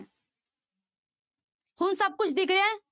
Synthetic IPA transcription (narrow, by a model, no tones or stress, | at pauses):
hʊnsəb̚kʊt͡ʃʰd̪ɪkɾeɛ̃ː